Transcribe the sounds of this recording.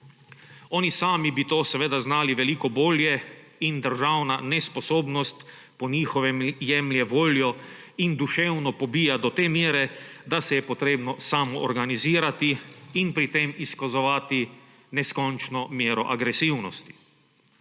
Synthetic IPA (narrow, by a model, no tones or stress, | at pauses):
ɔːnisaːmibit̪oːsɛʋeːd̪aznaːliʋɛlikɔboːljɛ | ind̪əɾʒawnanɛspɔsoːbnɔst̪ | pɔɲiːxɔʋɛmjɛmljɛʋoːljɔ | ind̪uʃewnɔpɔbiːjad̪ɔt̪eːmjeːɾɛd̪asɛjɛpɔt̪ɾeːbnɔsamɔʔːɾɡaniziːɾat̪iːnpɾit̪emiskazɔʋaːt̪i | nɛskɔnt͡ʃnɔmjeːɾɔ̰ʔaɡɾɛsiwnɔst̪i̥